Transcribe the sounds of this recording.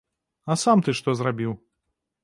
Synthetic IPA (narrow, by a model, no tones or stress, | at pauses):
ɐsamt̪ɨʂt̪ɔzrabʲiw